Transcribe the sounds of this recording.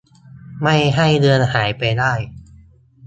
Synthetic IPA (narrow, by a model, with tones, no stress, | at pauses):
ma˥˩jɦa˥˩jlɯ˧ənhaː˩˦jpa˧jdaː˥˩j